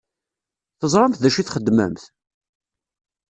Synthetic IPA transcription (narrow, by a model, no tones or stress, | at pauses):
θəzˤɾˤɑmθðæʃiθχəd̪ːmə̰mθ